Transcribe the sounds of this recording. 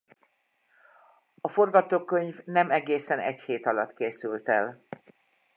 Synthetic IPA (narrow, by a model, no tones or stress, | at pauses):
ɒfo̞rɡɒt̪oːkːø̞ɲvnɛmɛɡeːsɛnɛ̰ɟheːt̪ɒlɒt̪keːsylt̪ɛl